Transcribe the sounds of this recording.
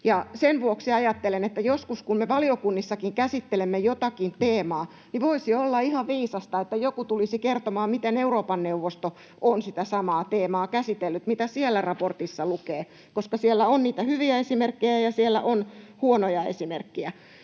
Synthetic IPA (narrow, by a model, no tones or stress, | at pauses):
jɑsenʋuoksiɑjɑt̪ːelenet̪ːæjoskuskummeʋɑliokunːisːɑkiŋkæsit̪ːelemːejot̪ɑkint̪eːmɑː | niʋoisiolːɑihɑʋʋiːsɑst̪ɑet̪ːæjokut̪ulisikert̪omɑːmmit̪eneuroːpɑnneuʋːost̪o | ʔonsit̪æsɑmɑːt̪eːmɑːkæsit̪elːyt̪mit̪æsielːærɑport̪isːɑlukeː | koskɑsielːæonniːt̪æhyʋiæesimerkːejæjɑsielːæ̰ʔonhuonojɑḛsimerkːiæ